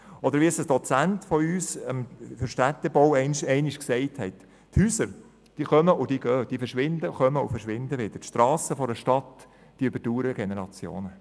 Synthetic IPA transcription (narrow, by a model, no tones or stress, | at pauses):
ɔd̪əɾʋiɛsəsd̥ɔt͡sæntfɔyːsəmfʏɾʃtæt̪ːɛbɔwɛɪnʃɛɪnɪʃksɛɪthɛt̪ | thyːsəɾ | d̥iːχœməʔʊd̥̪iːɡ̥œːd̥̪iːfəɾʃʋɪndəχœməʊfəɾʃʋɪnd̪əʋɪd̥̪əʃt̪rɑːsəfɔɾəʃtɑt̪ | d̥iʏb̥əɾd̥uːɾəɡenɛɾɑt͡sjo̰ːnə